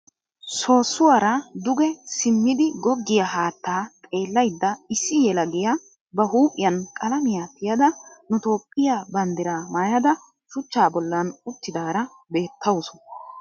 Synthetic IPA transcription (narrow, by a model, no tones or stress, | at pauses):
so̞ːsːʊwaɾɐd̪ʊɡɛsɪmːɪd̪ɪɡɔɡːɪjɐɦaːt̪ːaːt̪ʼe̞ːlːɐjd̪ːɐɪsːɪjɛlɐɡɪjɐ | bɐɦuːpʼɪjɐnkʼɐlɐmɪjaːt̪ːɪjɐd̪ɐnʊt̪o̞ːpʼːɪjaːbɐnd̪ɪɾaːmaːjɐd̪ɐ | ʃʊt͡ʃːaːbɔlːɐnʊt̪ːɪd̪aːɾɐ | be̞ːt̪ʰːɐwʊsʊ̥